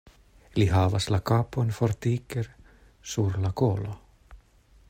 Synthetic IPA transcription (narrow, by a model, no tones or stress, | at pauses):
liɦavaslakaːponfɔɾt̪iːkɛɾ | suɾlakoːla